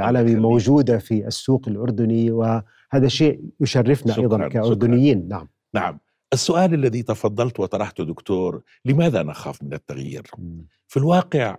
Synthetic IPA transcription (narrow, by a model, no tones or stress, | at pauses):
ʕaːlamimowd͡ʒuːd̪afiʔasːuːqalʔʊɾˤd̪ʊniwɪ | haːðaʃeːʔjʊʃarːɪfnaʔɑjðˤɑnkaʔʊɾɾd̪ʊnɪjːiːnːaʕam | naʕam | ʔɪsːʊʔaːlalːaðit̪ɑfɑd̪ˤːɑlt̪wɪt̪ˤɑɾˤɑħt̪ʊd̪ʊkt̪oːɾˤ | lɪmaːðanʔaxa̰ːfmɪnat̪ːaɣjḭːɾ | filwɑːqɪʕ